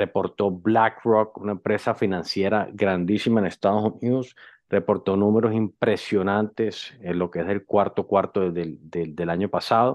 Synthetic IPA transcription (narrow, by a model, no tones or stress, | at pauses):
re̞po̞ɾt̪o̞blakrok̚unaempɾe̞safinãnsje̞ɾaɡɾand̪isimaene̞st̪aðosuniðos | re̞po̞ɾt̪o̞nũme̞ɾo̞simpɾe̞sjo̞nãnt̪e̞senlo̞keeselkwaɾt̪o̞kwaɾt̪oðed̪ed̪e̞laɲo̞pasað̞o̞